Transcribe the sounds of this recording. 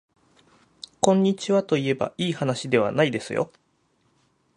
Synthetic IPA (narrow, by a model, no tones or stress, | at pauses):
kõ̞ɲ̟ːit͡ɕiβat̪o̞ie̞ba̰ʔiːhanaɕid̪e̞β̞a̰naid̪e̞sɨjo̰